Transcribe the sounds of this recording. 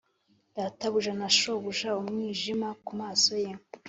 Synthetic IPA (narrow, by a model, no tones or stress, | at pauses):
daːtaβuʒanaʃoβuʒaumŋiːʒimakumaːso̞je